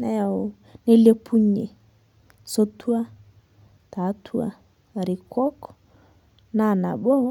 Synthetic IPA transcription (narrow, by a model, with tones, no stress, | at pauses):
na˨a˨ | ne˦le˦pʰu˦ɲe˨ | so˦tʰu˦a˦ | ta˨˦tʰu˦a̰˦˨ | ɾi˨kɔ˦kɔ̥ | na˦˨na̰˨ɓɔ˦